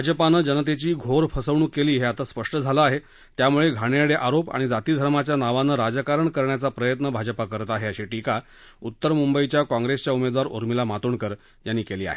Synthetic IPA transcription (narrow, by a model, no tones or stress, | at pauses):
bʱad͡zəpanəːd͡ʑənət̪̬et͡ɕiːɡʱoɾpʰəsəʋɳ̃uːkːeliːɦeat̪aspəʂʈəd͡zʱaləaɦe | t̪jamuɭeɡʱaɽ̃jeɽeʔaɾopa̰ɽ̃id͡zat̪iːd̪ʱəɾmat͡ɕjanaʋanəɾad͡zəkaɾəɳkəɾɳjat͡sapɾəjət̪nəbʱad͡zəpakəɾət̪aɦeəɕiʈika | ut̪ːəɾmumbəit͡ɕjakɔ̃ŋɡɾest͡ɕjaumed̪ʋaɾṵɾmilamat̪uːɳkəɾ | janːiːkeliːa̰ɦe